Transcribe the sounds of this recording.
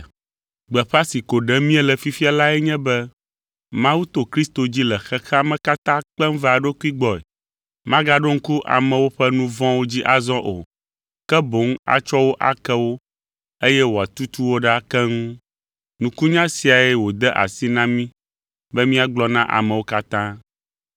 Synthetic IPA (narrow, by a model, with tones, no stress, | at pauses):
ɡ͡bɛ˨ɸa˦si˨ko˨ɖɛ˦mĩ˦ɛ˦lɛ˨fi˦fi˦a˦la˦ɛ˦ɲɛ̃˦bɛ˦ | mã˦wu˦t̪o˨kɾi˦st̪o˨d͡ʑi˦lɛ˨xɛ˦xɛ˦a˦mɛ̃˦ka˦t̪ã˦k͡pɛ˦m˦vɛ˦a˨ɖo˦ku˦i˦ɡ͡bɔ˦˨ɛ̰˨ | mã˦ɡa˦ɖo˦ŋ̩˦ku˦ʔa̰˨mɛ̃˨wo˦ɸɛ˦nũ˦vɔ̃˦wo˦d͡ʑi˦ʔa˨zɔ̃˦ʔo̰˨ | kɛ˦bo˨˦ŋ˦a̰˨t͡ʃɔ˦wo˦ʔa̰˨kɛ˦wo˦ | e˦jɛ˦wo˨a˨t̪u˦t̪u˦wo˦ɖa˦kɛ˦ŋũ˦ | nũ˨ku˦ɲã˦si˨a˨ɛ˨wo˨d̪ɛ˦ʔa̰˨si˦nã˦mĩ˦ | bɛ˦mĩ˦a˦˨ɡ͡blɔ˦nã˦ʔa̰˨mɛ̃˨wo˦ka˦t̪ã˦